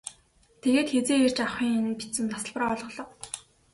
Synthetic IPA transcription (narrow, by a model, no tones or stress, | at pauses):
t̪ʰeɣeːt̪xet͡seːer̥t͡ɕaχʲiːŋnpit͡sɘ̆mt̪ʰḁsə̆ɮpraɔɮʁɞ̆ɮɞ̆q